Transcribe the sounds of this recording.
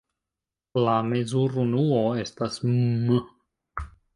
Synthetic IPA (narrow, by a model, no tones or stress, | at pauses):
lame̞zuɾunuoe̞stasmm